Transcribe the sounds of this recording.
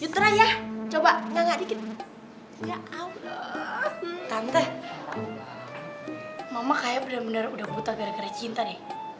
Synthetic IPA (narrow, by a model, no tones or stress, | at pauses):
t͡ʃut̪ɾajaht͡ʃobaŋɡaʔŋɡaʔdikɪt̪̚ | ŋaaula | t̪ant̪ɛ | mamakajabənərbənərudahbut̪aɡaɾakarjat͡ʃint̪anɪ